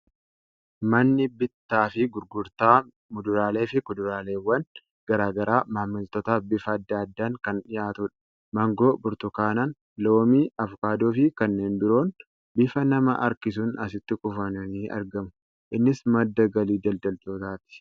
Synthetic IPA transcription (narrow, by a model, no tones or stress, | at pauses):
mɐnːɪbɪt̪ːaːfɪɡʊɾɡʊɾt̪aː | mʊd̪ʊɾaːle̞ːfɪkʊd̪ʊɾaːle̞ːwːɐn | ɡ̥ɐɾaːɡɐɾaːmaːmɪlt̪ɔt̪abɪfɐːd̪ːaɐd̪ːaːŋkɐnᶑɪjaːt̪ʊᶑɐ̥ | mɐŋɡo̞ːbʊɾt̪ʊkaːnan | lo̞ːmiːɐvʊkaːd̪oːfɪkɐnːeːnd̪ʊɾoːn | bɪfɐnɐmɐʔɐ̰ɾkɪs̬ʊnɐsɪt̪ːɪkʼʊfɐnɐniːʔɐ̰ɾɡɐmʊ | ʔɪnːɪsmɐd̪ːɐɡɐliːd͡ʒɐld̪ɐlt̪oːt̪aːt̪ɪ̥